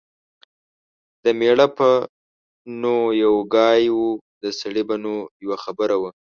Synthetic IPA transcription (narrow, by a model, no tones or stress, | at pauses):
d̪̥əmeɽapə | nojawɡɑjwu | d̪əsaɽibanojawaxabəɾawə